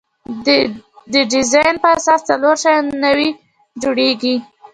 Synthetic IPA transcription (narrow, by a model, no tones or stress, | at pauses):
d̪əɖɪzɑjnpəasɑst͡saloɾʃajnawi | d͡ʒoɽeɡi